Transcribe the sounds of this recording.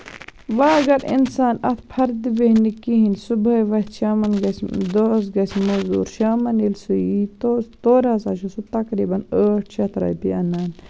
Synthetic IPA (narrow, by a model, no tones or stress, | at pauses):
ʋaːɡɐɾḭnsaːnɐt̪ʰpʰɐɾd̪ibehnikiɦinsubɐjʋɐt̪ʃaːmɐnɡɐsd̪os̬ɡɐsmozṵːɾʃaːmɐnilsujit̪ot̪oːɾasaːʃusut̪ɐkɾiːbɐnəːʈʰt͡ʃɐt̪ʰɾa̰ːjpḭɐnaːn